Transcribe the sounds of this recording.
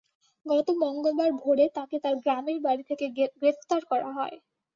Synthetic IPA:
ɡɔt̪omɔŋɡolbaɾbʱoɽet̪aket̪aɾɡɾameɾbaɽit̪ʰekeɡɾefʰt̪aɾkɔɾa̰ɦɔe

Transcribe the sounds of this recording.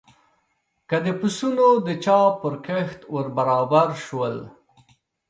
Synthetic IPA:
kad̪əpʊsunod̪ət͡ʃɑpəɾkəxt̪wəɾbaɾɑbaɾʃwəl

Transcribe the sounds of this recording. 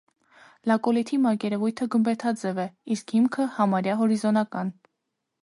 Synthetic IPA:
lɑkɔlit̪ʰimɑɾkɛɾɛvujt̪ʰəɡəmbɛt̪ʰɑd͡zɛvɛiskhimkʰəhɑmɑɾjɑɦɔɾizɔnɑkɑn

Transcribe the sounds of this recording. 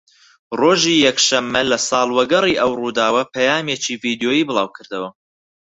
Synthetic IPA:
roːʒiːjɛkʃɐmːɐlɐsɑːlˠwɐɡɐriːʔɐwruːd̪aːwɐpʰɐjaːmjeːt͡ʃiːviːd̪joːjiːbɨlˠɑːwkʰɨɾd̪ɐwɐ

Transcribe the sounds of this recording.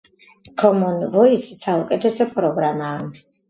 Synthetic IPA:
kʰɔmɔnvɔisːaukʼɛt̪ʰɛsɔpʼɾɔɡɾamaːm

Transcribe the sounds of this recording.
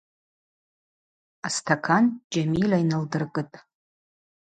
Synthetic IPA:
astʰakʰand͡ʒamilainɨldɨrkʼɨtʼ

